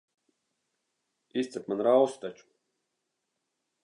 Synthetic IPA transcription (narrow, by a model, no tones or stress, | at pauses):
ist̪sɛpmanɾawst̪at͡ʃu̥